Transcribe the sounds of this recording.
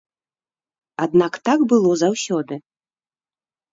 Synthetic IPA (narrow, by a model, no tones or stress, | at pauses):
ad̪̚nakt̪akbɨlˠɔzawsʲɔd̪ɨ